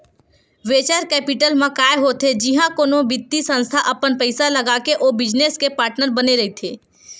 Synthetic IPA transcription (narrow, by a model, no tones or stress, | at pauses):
ʋeːt͡ʃəɾkɛːpɪʈəlmãkaːjɦot̪ʰed͡ʒɪɦãkoːnõbɪt̪ːisə̃nst̪ʰaʔɐpənpəɪsalɐɡaːkeʔoːbɪd͡ʒneskepaːɾʈnəɾbɐneɾɐɦit̪ʰeː